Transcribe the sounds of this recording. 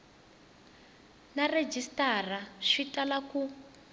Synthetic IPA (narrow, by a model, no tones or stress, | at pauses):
nared͡ʒistar̤aʂitʼalaku